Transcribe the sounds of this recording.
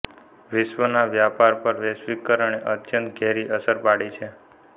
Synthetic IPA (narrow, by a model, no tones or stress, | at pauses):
ʋɪʃʋənaʋjapaɾpəɾʋesʋikːəɾəɳ̃eʔət̪jənt̪ɡʱɛɾiʔəsəɾpaɽit͡ʃʰe